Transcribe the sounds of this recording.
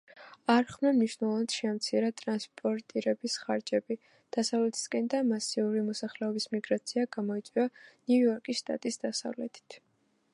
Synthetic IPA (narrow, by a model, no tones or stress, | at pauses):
aɾχmɛmniʃnɛlˠɔvanat̪ʃɛamt̪sʰiɾat̪ʼɾanspʼɔɾt̪ʼiɾɛbisχaɾd͡ʒɛbi | d̪̥asavlɛt̪ʰi̥skʼɛnd̪amasiuɾimɔsaχlɛɔbismiɡɾat̪sʰiaɡamɔit̪sʼwianujɔɾkʼisʃt̪ʼa̰t̪ʼisd̪asa̰vlɛt̪ʰi̥t̪ʰ